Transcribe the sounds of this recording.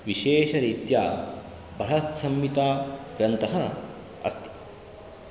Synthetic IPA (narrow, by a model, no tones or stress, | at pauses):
ʋiʃeːʃɐɾit̪jaː | bʱɐɦɐt̪sɐmːit̪aːɡɾɐnt̪ɐɦɐ | ɐ̰st̪i̥